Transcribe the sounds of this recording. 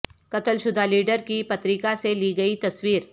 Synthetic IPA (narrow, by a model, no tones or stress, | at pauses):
kɐt̪əlʃʊd̪ʱaliːɖəɾkipɐt̪ɾɪkaseliːɡɐit̪ɐswiːɾ